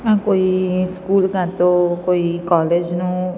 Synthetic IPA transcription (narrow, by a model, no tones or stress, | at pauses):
ãkoiskuːlkãt̪okoikɔled͡ʒnũ